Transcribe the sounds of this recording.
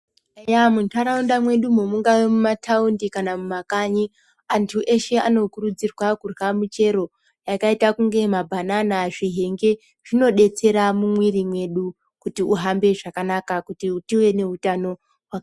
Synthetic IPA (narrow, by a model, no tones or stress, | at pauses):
jamuntʰaɾaundamwe̞ɗumomuŋɡawemumatʰaundikanamumakaɲi | antʰuʔe̞ʃe̞ano̞kuɾud͡zirwakurwamut͡ʃe̞ɾo̞ | jakaitakuŋɡe̞mabʱananaʐiɦe̞ŋɡe̞ | ʐ̥ino̞ɗe̞t͡se̞ɾamumwirimwe̞ɗu | kutiuɦambe̞ʐakanakakutiutiwe̞ne̞utano | wa